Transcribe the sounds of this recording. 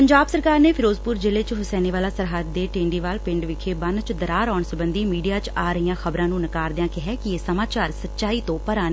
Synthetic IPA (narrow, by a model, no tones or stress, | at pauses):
pəɲd͡ʒaːbsəɾkaːɾneːpʰɪɾoːzpʊɾd͡ʒɪleːt͡ʃɦʊsɛːniːʋaːlaːsəɾɦad̪ːeːʈẽːɳɖiːʋaːlpɪ̃ɳɖʋɪkʰeːbənt͡ʃd̪əɾaːɾɔːɳsəbənd̪iːmiːɖijaːt͡ʃaːɾəijãːxəbɾãːnũːnəkaːɾd̪ɪãːkɪɦɛːkɪeːsəmaːt͡ʃaːɾsətːʃaːiːt̪õːpəɾaːn